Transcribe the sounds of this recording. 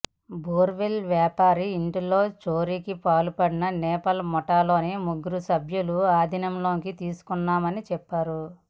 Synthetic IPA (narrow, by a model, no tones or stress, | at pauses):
boːɾʋelʋjaːpaːɾiːɳʈilo̞ːt͡ʃo̞ːɾiːkipaːlupɐɽinɐnɛːpɐlmɔʈaːlo̞ːneːmuɡuɾusɐbʱjuluaːd̪ʱinɐmlo̞ːkit̪iːsu̥kunːaːmɐnit͡ʃɛpːaːɾu